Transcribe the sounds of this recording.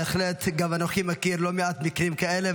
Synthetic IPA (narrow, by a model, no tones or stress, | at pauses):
eχlet̪ɡamanoχimakiɾlomeat̪mikʁimkaele